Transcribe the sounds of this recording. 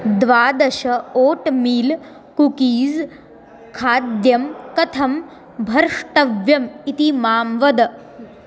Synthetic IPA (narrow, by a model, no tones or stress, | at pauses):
d̪ʋaːd̪ɐʃɐoːʈmiːl | kukiːz | kʰaːd̪jɐmkɐt̪ʰɐm | bʱɐɾʂʈɐʋjɐmit̪imaːmʋɐd̪ɐ